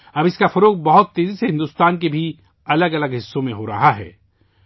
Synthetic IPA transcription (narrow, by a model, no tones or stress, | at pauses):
ɐbɪskafɐɾoːq̚bɐɦʊt̪ːeːziseɦɪ̃nd̪uːst̪aːnkebʱi | ɐləɡɐləɡɦɪsːõmẽɦoɾɐ̰ɦaɦɛ̰ː